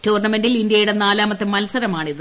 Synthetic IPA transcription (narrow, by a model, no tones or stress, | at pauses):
tuːrɳɐme̞nɖilindjɐjɽenaːlaːmɐt̪ːemɐlɐsɐɾɐmaːɳiðɨ